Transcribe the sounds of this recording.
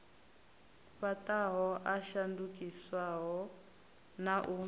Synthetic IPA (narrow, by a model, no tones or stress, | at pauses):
ɸatʼaɦɔʔaʃandukʼiswaɦɔ | naʔu